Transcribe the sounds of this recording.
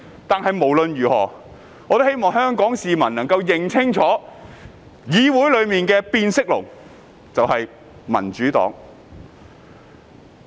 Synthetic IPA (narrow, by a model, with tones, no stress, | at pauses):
t̪aː˨nhɐ˨jmo˨˩wlɵ˧njyː˨˩hɔː˨˩ | ŋɔː˨˧t̪o˥whe˥jmɔː˨ŋɦœː˥ŋkɔː˨˥ŋsiː˨mɐ˨˩nnɐ˨˩ŋkɐ˧wjɪ˨˩ŋt͡sʰɪ˥ŋt͡sʰɔː˨˥ | jiː˨˧wuː˨˥jlɵ˨˧ɥmiː˨nkɛː˧piː˧nsɪ˥k̚lʊ̰˨˩ŋ | t͡sɐ˨whɐ˨j | mɐ̰˨˩nt͡ʃyː˨˥t̪ɔ̰ː˨˥ŋ